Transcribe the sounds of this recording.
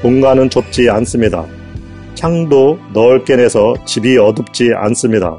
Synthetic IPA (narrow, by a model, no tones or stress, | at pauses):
koŋɡanɯnt͡ɕop̚t͡ɕ͈ians͈ɯmɲida̰ | t͡ɕʰaŋdonʌɯɭk͈e̞ne̞sʰʌt͡ɕibiʌdɯp̚t͡ɕ͈ia̰ns͈ɯmɲida̰